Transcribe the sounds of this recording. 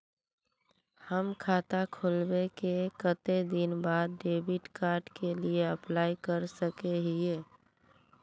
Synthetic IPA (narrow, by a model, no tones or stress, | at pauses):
həmkʰaːt̪akʰoːlbekekət̪ed̪ɪnbaːd̪̚ɖeːbiʈkaːɾɖkelieəplaːikəɾsəkeɦie